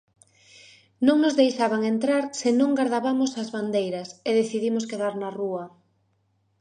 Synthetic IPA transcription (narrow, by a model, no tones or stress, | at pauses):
nõŋnozðejʃaβaŋent̪ɾaɾsenõŋɡaɾðaβamʊsazβand̪ejɾɐseðeθiðimʊskeðaɾnɐruɐ